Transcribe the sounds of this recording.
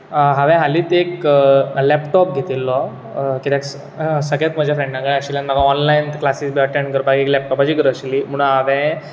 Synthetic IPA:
ɦaʋɛ̃ɦaliːt̪eklɛpʈɔp̚ɡʱet̪ilːɔ | kit̪ɛ̃ks | səɡlat̪m̤əd͡ʑʱafɾẽɳɖnaɡaaɕiljanmakãɔnlainklasiːsbɛʈanɡəɾbʱaɡeklɛp̚ʈɔpat͡ɕiːɡəɾəɕiliːm̤əɽ̃ũnɦaʋɛ̃

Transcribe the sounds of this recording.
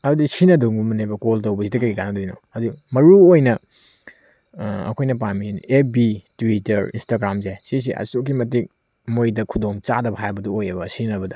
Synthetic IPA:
ɐdudisinɐduŋbɐmɐnebɐkoltɐwbɐsidɐkɐɡikanɐdojno̰ɐdumɐɾuojnɐ | ɐ̰kʰojnɐp̬amiebitwitɐɾḭnstaɡɾamzesis̬iʔɐ̰sok̬ːimɐtik̚ | mojdɐkʰudoŋt͡ʃadɐbɦajbɐduojɐbɐsinɐbɐdɐ

